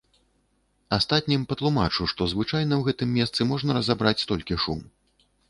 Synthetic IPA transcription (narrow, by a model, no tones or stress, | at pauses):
ast̪at̪̚ʲnʲimpɐt̪lˠuma̰t͡ʂuʂt̪ɔzvɨt͡ʂajn̪ɐwɣɛt̪ɨmːʲɛst̪sɨmɔʐnɐɾɐzabɾat͡sʲst̪ɔlʲkʲiʂum